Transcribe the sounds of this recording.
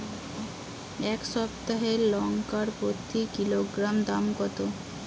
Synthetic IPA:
ɛkʃɔp̚t̪aɦeɾlɔŋkaɾpɾot̪ʰːikiloɡɾamd̪amɡɔt̪o

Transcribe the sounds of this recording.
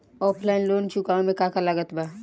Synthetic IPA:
ɔːpʰlaɪnloːnt͡ʃʊkaõmẽkãːkalaɡət̪baː

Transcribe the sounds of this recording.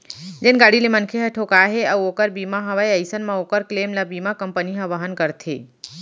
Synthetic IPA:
d͡ʒenɡaːɽilemənkʰeɦɐʈʰokaɦeɐʋoːkəɾbiːmaɦɐʋajəɪsənmãoːkəɾkleːmlabiːmakɐmpəniɦɐʋəɦənkəɾt̪ʰḛː

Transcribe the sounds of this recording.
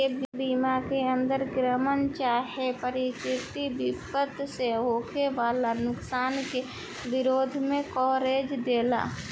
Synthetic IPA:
ebbiːmakeə̃nd̪əɾɡɾəmənt͡ʃaːɦepəɾɪt͡ʃɪt̪ibɪpət̪seɦoːkʰeʋaːlanʊksaːnke | bɪɾoːd̪ʱmẽkɔːɾeːd͡ʒd̪eːla̰ː

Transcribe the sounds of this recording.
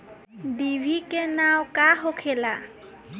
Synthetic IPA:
dibʱikɛnawkaɦokʰɛla

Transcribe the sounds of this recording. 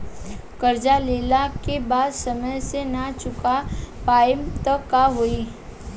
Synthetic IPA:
kɐɾd͡ʒaleːlakebaːd̪sɐməjsenat͡ʃʊkapaːɪmt̪əkːaɦoi

